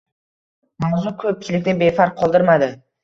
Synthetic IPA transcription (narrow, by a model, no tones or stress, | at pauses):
mawzʊkʲʰɵp̚kʲʰɪlɪk̚ʲnɪnbefaɾq̚qʰːɒlˠd̪ɪɾmad̪ɪ